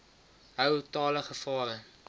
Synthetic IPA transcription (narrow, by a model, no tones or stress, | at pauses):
ɦəwtɑːləχəfɑːɾə